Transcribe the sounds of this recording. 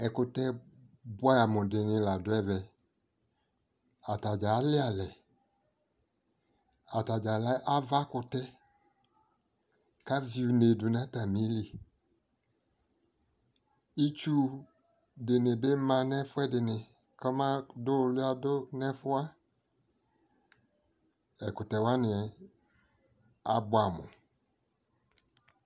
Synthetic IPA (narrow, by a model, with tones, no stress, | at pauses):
ɛ˨kʊ˧tɛ˦bʊ˦a˦ja˨mʊ˨dɪ˨nɪ̃˧˨la˨dʊ˨˦ɛ˨vɛ˨ | a˨ta˨d͡ʒa˨˦lɪ˦a˨lɛ˨ | a˨ta˨d͡ʒa˨la˦ʔa˦va˦kʊ˧tɛ˦ | ka˦vi˦u˨ne˨dʊ˨nã˦ta˨mĩ˨˦li˨ | i˦t͡ʃu˦ | dɪ˨nɪ˨be˦mã˨nɛ˦fʊ˦ɛ˦dɪ˨nɪ˨ | kɔ˦mã˦dʊ˦˨lʊ˦a˦dʊ˦nɛ˦fʊ˦a˦ | ɛ˨kʊ˨tɛ˨wa˦nɪ˨ɛ˨ | a˨bʊ˦a˨mʊ̰̃˨